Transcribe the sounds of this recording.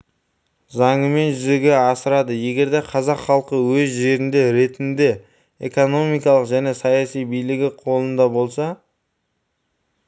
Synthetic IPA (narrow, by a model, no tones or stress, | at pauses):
zɑɴəme̞nʒʏze̞ɡʲe̞ɑsəɾɑd̪əje̞ɡʲe̞ɾd̪e̞qʰɑzɑqχɑlˠqəwɵzʒe̞ɾɪnd̪e̞ɾe̞t̪ɪnd̪e̞ | ḛko̞no̞mijkɑlˠəqʒæne̞sɑjɑsijbijlɪɡʲɪqʰo̞lˠənd̪ɑbo̞lˠsɑ